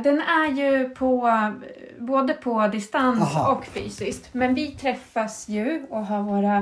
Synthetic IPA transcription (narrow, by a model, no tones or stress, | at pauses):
d̪ɛnæɾjɵpʰɔ | boːd̪əpʰɔd̪ɪst̪ansɔkːfy̰ːsɪskt̪mɛnvɪt̪ʰɾɛfːasjɵɔɦɑːɾvoːɾa